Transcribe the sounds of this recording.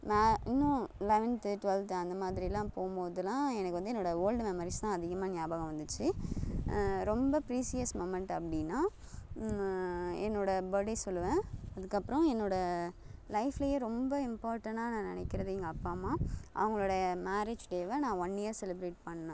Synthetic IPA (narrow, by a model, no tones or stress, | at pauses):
maːɪnːũlɛʋɛnt̪ɯʈʋɛlt̪ɐnd̪ɐmaːðɪɾɪlãːpoːmboːðɯlãːɛnɐkːɯʋɐnd̪ɯɛnːoːɽɐoːlɖmɛmɐɾist̪ãːɐðɪɣɐmaːnɪjaːbaːɣɐ̃ʋɐnd̪ɯt͡ʃːɯ | ɾɔmbɐpɪɾiːsɪjɐsmomɛɳʈɐpːɐɽɪnːaː | ɛnːoːɽɐbɐɽesɔlːɯʋẽːɐðɯkːɐpːɯɾɔ̃ɛnːoːɽɐ | lɐɪflɐjeːɾɔmbɐɪmpaːɾʈɐɳʈaːnãːnɪ̰nɛkːɪɾɐðiːŋɡɐːpːaːmaːʔɐ̰ʋɐŋɡɐɭoːɽɐɐmaːɾed͡ʒʈeːʋɐnãːʋɐnːɪjɐɾsɛlɪbɾeːʈ̚pɐɳːɐnõ